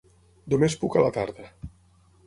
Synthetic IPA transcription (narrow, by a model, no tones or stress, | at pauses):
d̪umespukalat̪aɾðə